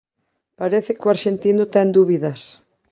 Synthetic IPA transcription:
paɾeθɪkʊaɾʃent̪inʊt̪ɛnd̪uβiðɐs

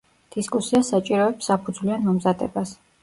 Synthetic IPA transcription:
d̪̥iskʼusiasat͡ʃʼiɾɔɛpsapʰud̪zvlianmɔmzad̪ɛ̰bas

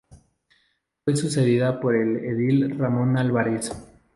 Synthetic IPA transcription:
fwe̞suse̞ðiðapo̞ɾe̞leðilramõ̞nalβaɾes

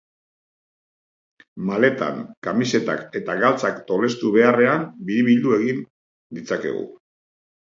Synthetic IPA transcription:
male̞t̪a̰ŋkamise̞t̪a̰ke̞t̪aɣalt͡sakt̪o̞le̞st̪uβe̞are̞ambiɾiβild̪ue̞ɣin | d̪it͡sake̞̰ɣṵ

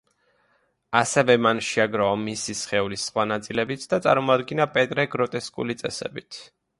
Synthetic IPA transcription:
asɛvɛmanʃiaɡɾaɔmisisχɛulisχwanat̪sʼilɛbit̪ʰd̪at̪sʼa̰ɾmɔad̪ɡinapʼɛt̪ʼɾɛɡɾɔt̪ʼɛskʼṵlit̪sʼɛ̰sɛ̰bit̪ʰ

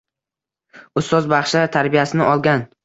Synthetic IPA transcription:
ʊst̪ɒzbɑχʃat̪ʰaɾbijasɪnɪʔɒlˠɡʲan

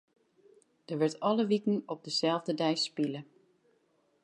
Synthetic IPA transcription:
d̥əʋɪɹtɑləʋikən̩ɔb̚dəz̥ɛlˠvdədɛjspilə

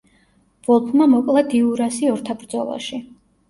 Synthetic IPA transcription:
v̥ɔlˠpʰmamɔkʼlˠad̪iuɾasiɔɾt̪ʰabɾd̪zɔ̰lˠa̰ʃi

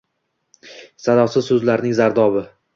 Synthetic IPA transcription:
sad̪ɒwsɪzsɵzlaɾnɪŋzaɾd̪ɒbɪ

